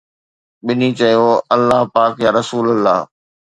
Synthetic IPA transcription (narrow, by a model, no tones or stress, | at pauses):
ɓɪnit͡ɕɐjoɐlːaɦpaːkjaːɾɐsuːləlːaːɦ